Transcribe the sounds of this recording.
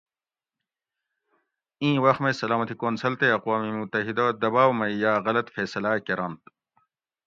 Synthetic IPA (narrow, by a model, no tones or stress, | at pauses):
ĩːwɐxmẽsɐlaːmɐt̪ikoːnsɐlt̪eɐqwaːmimut̪ɐɦid̪ad̪ɐbaːwmɐjaːɣɐlɐt̪feːsɐlaːkeɾɐnt̪